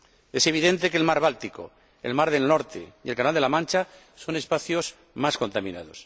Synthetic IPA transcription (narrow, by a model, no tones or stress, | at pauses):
e̞se̞β̞iðe̞nt̪e̞kelmaɾβalt̪iko̞̰ | ḛlmaɾð̞e̞lno̞ɾt̪ḛielkanald̪elamãnt͡ʃa | so̞ne̞spaθjo̞z | masko̞nt̪amĩna̰ð̞o̞s